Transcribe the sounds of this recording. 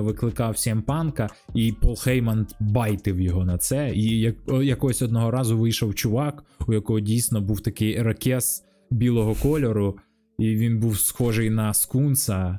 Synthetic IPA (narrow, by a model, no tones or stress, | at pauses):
ʋɪklˠɪkɑwsʲɛmpɑnkɐ | ipɔlˠxɛjmɐnbɑjt̪ɪwjɔɦɔnɐt̪sɛijɐkjɐkɔɦɔsʲɔd̪̚nɔɦɔɾɑzʊʋɪjʃɔwt͡ʃʊʋɑkʊjɐkɔɦɔdʲijsnɔbuwt̪ɐkɪjɾɐkʲɛs | bʲilˠɔɦɔkɔlʲɔɾʊ | iʋʲinbuwsxɔʒɪjnɐskunsɐ